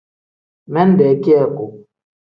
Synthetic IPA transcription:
mɛ˦n˦dɛ˨˦ki˦ɛ˨ko˨

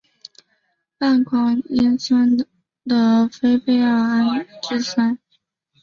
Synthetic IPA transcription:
pa˥˩nkʰwɑ˥ŋi˥nsə˥n | d̪ə˨fe˥ɪpe˥˧ɪə˞˥˧a˥n˨˩ʈ͡ʂɻ̩˥˩sa˥˩ɪ

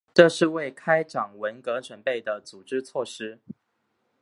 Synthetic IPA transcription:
ʈ͡ʂɤ˥˧ʂɻ̩˥˧we˥˨ɪkʰa˥ɪʈ͡ʂɑ˨˩ŋwə˧˦nkɤ˧˥ʈ͡ʂʰwə˧˥npe˥˩ɪd̪ə˩t͡su˨˩ʈ͡ʂɻ̩˥t͡sʰwɔ˥˨ʂɻ̩˥

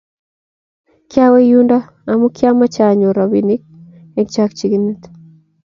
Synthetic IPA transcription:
kja˦we˦ju˦nda˦ | a˨mu˦kja˦ma˦t͡ʃa˨ɲo˨ɾa˨bi˨ni˦k̚ | ɛ˦kt͡ʃa˦kt͡ʃi˨ɡini˦t̪

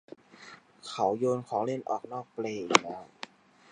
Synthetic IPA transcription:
kʰa˨˩˦wjoː˧nkʰɔː˩˦ŋle˥˩nʔɔ̰ː˨˩k̚nɔː˥˩k̚pleː˧˩i˨˩klɛː˦˥w

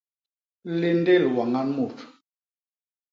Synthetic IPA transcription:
le˦n˦de˦˨lwa˨ŋa˦nmu˨t

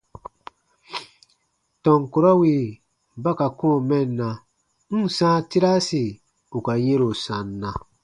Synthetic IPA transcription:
tɔ̃˨ŋku˨ɾɔ˦wi˨ | ba˦ka˨kõ˦˨mɛ˦˨nːa˨ | n̩˦˨sã˦ti˦ɾa˦si˨ | u˨ka˨je˦ɾo˨sã˨nː˦a˨

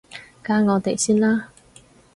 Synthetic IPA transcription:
kaː˥ŋɔː˨˧t̪e˨jsiː˥nlaː˥

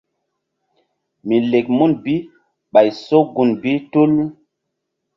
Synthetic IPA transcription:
mi˨le˨kmu˦nbi˦ | ɓa˨jso˦ɡu˨nbi˦tu˦l

